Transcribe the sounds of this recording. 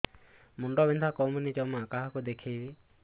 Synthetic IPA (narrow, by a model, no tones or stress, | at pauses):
muɳɖɔbind̪ʱakɔwmunid͡ʒɔwmaakaɦɔkud̪ekʰejbi